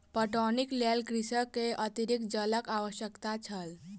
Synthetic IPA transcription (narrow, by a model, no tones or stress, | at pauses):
pəʈɔniklelkɾisəkːeʔət̪iɾikd͡ʒələkaʋəʃjəkt̪at͡ʃʰəl